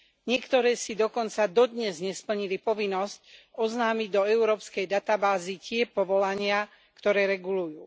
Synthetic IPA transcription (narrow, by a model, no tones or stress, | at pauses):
ɲɪɛkt̪ɔɾɛːsid̪ɔkɔnt͡sad̪ɔd̪ɲɛzɲɛspl̩ɲilipɔʋinːɔscɔznaːmiɟd̪ɔɛʊɾɔːpskɛjd̪at̪abaːzicɪɛpɔʋɔlaɲɪa | kt̪ɔɾɛːɾɛɡulujuː